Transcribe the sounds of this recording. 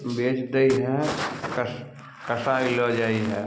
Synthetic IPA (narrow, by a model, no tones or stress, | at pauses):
beːt͡ʃd̪əiɦɛ̃kə | kəsailod͡ʒaːiɦɛː